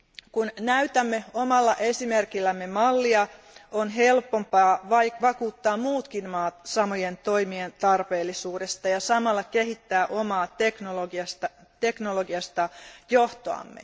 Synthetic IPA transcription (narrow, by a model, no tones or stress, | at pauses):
kunnæyt̪æmːeomɑlːɑʔesimerkilːæmːemɑlːiɑ | onɦelpːompɑːʋɑʋɑkuːt̪ːɑːmmuːt̪kinmɑːt̪sɑmojent̪o̞imient̪ɑrpe̞ːlːisuːdest̪ɑjɑsɑmɑlːɑkehit̪ːæːʔomɑːt̪eknoloɡiɑst̪ɑt̪eknoloɡiɑst̪ɑjoht̪oɑ̰mːḛ